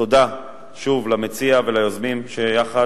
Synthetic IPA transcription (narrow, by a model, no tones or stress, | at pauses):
od̪a | ʃuvlamet͡siavelajozmimʃejaχa